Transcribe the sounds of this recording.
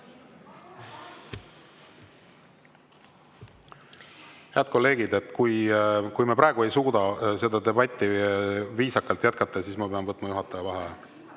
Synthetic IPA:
he̞ɑd̪̥̚ko̞lːe̞ːɡ̥id̪e̞t̪ːˑkujkujmepɾɑeɡue̞jsuːd̪ɑse̞d̪ɑd̪e̞bɑt̪ʲːˑiviːsɑkːˑɑlt̪jæt̪̚kɑt̪ˑːɑsiːsmɑpe̞ɑmvɤt̪ːˑmɑjuɦɑt̪ːˑɑjɑvɑɦe

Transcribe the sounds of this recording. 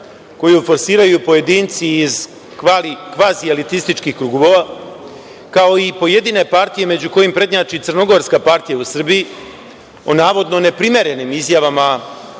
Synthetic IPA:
ko̞jufo̞ɾsiːɾajupo̞je̞d̪iːnt̪siːz | likʋaːzialit̪ist̪it͡ʃkixkɾuɡuʋoʋa | kao̞ipo̞je̞d̪iːne̞paɾt̪ije̞med͡ʑuko̞jimpɾe̞d̪ɲaːt͡ʃit̪sɨrno̞ɡo̞ɾskapaɾt̪ijausr̩biji | onaːʋo̞d̪no̞ne̞pɾime̞ɾe̞nimizjaʋama

